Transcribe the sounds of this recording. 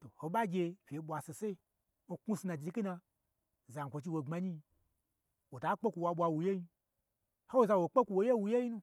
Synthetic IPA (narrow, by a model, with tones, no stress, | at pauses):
to˨ho˨ɓa˦ɡʲe˧fʲe˨˦ɓʷa˧se˨se˦i˧˦ | ku˦si˧nã˨d͡ʒi˧˦ki˦na˧˨ | za˨ŋ̩˨kʷo˨t͡ʃi˧wo˨ŋ͡ma˧ɲi˦˧ | wo˨ta˨˦k͡pe˦kʷu˧wa˧ɓʷa˧wu˨je˦ji˧ | ho˦wo˨za˧wo˨k͡pe˦kʷu˧˨wo˨je˦wu˧je˦ji˦nũ˦